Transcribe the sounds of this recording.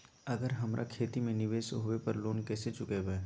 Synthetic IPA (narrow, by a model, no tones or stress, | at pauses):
ɐɡəɾɦɐmɾʔa̰kʰeːt̪imẽnɪʋeːʃɦʊepɐɾloːnkɛːset͡ʃʊkebeː